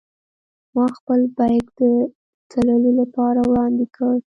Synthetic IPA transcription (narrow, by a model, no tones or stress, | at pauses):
mɑxpəlbajkd̪ə | t͡saləlolapɑɾawɽɑnd̪ɪkʰəɽ